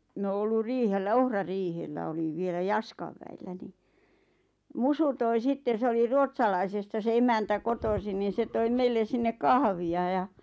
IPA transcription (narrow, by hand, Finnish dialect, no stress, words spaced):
mĭn oː olːur riːhelːæ ohrɑriːhelːæ oliʋ̆ ʋielæ jɑskɑʋ ʋæilːæ ni musu toi sitːen̞ se oli ruotsɑlɑisestɑ se emæntæ kotosin niːn̞ se toim meilːen̞ sinːe kɑhʋiɑ jɑ